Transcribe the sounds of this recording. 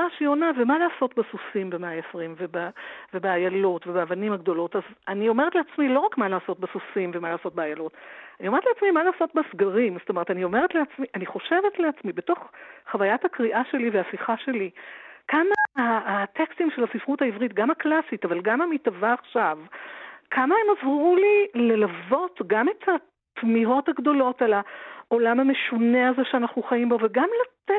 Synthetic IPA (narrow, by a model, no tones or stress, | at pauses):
aʃionavemalaːso̞tbesusimbemeaesʁimvebave̞beajalotvebeavanimaɡdo̞lo̞tazanio̞me̞ʁetleat͡smilo̞ʁakmalaːso̞t̚besusimvemalaːso̞t̚beajalo̞taniometleat͡smimalaːso̞tbesɡaʁimzsotome̞ʁetanio̞me̞ʁetleat͡smiʔaniχo̞ʃe̞ve̞tleat͡smibe̞to̞χχavajathakʁiʔaʃe̞liveasiχaʃe̞likamaːtekstimʃelhasifʁuthaivʁitɡamaklasitavalɡamamitavaːχʃavkʰamae̞mazʁulile̞lavo̞tɡame̞tha | tmiɦo̞thaɡdo̞lo̞talaʔo̞lamame̞ʃuneazeʃeanaχnuχaimbo̞veɡamlate